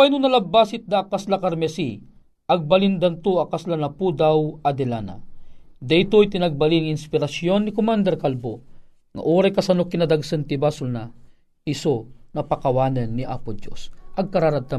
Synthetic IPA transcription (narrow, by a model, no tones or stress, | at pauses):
wajnʊnɐlabasɪt̪̚d̪akaslakaɾmɛsi | ɐɡ̚balind̪ant̪uakaslanɐpud̪awad̪ɛlana̰d̪ajt̪ojt̪ɪnaɡ̚baliŋɪnspɪɾasjonːikʊmand̪ɛɾkalbo | ŋa̰ʔoːɾajkasanokːinad̪aɡsənt̪ibasʊlna | hisonɐpakawaːnənːiʔa̰pʊd͡ʒjo̰sʔɐɡ̚kaɾaɾad̪̚t̪a